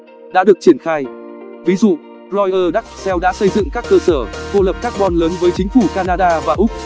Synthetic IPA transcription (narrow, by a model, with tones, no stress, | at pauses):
ɗa̰ː˧˥ɗɨ˨˩ək̚t͡ɕi˧˩ənxaː˧jvi˨˦zṵ˧˨ | zɔ˧jʔəː˧ɗa˦˥k̚sɛ˧wɗa̰ː˧˥sə˧jzɨ̰˧˨ŋkaː˦˥kːəː˧səː˧˩t̪o˧lə˨˩p̚kaː˦˥k̚ɓɔ˧nləː˨˦nvəː˨˦jt͡ɕï˨˦ŋ̟fu˧˩kaː˧naː˧ɗaː˧vaː˨˩ʔʊ˦˥k͡p̚